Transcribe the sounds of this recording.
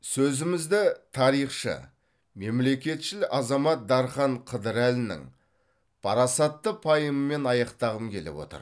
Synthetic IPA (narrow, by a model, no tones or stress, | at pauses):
sɵzɪmɪzd̪ɪt̪ʰɑɾijχʃə̰ | me̞mle̞kʲe̞t̪ʃɪlʔɑzɑmɑt̪̚d̪ɑɾχɑɴqʰəd̪əɾælɪnɪ̰ŋ | pʰɑɾɑsɑt̪ːəpʰɑjəməme̞nɑjɑqt̪ɑʁəmkʲʰe̞̰lɪ̰wo̞̰t̪ə̰ɾ